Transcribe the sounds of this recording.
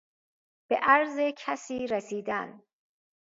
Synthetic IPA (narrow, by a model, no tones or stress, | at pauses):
b̥eʔæɾzecʰæsiːɾesiːd̪æn